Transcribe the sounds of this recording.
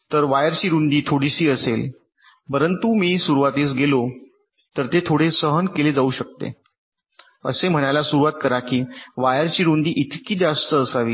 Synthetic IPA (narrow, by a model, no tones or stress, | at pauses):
t̪əɾʋajəɾt͡ɕiːɾund̪iːt̪ʰoɽisiːəsel | pəɾənt̪umiːsuɾuʋat̪es̬ɡelo | t̪əɾt̪et̪ʰoɽesəɦənkeled͡zauːɕək̚t̪ḛ | ə̰sem̤əɽ̃ajlasuɾuʋat̪̚kəɾakiːʋajəɾt͡ɕiːɾund̪iːʔit̪kiːd͡zast̪əəsaʋiː